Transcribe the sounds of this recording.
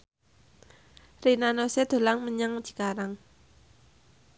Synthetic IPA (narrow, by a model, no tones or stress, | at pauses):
rinanosed̪̥o̤laŋməɲaŋd͡ʒ̥i̤kaɾaŋ